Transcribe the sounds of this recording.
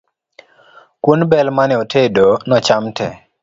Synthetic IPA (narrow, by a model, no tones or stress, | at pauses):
kwunbɛlmanɛotʰedonɔt͡ʃamtʰɛ̰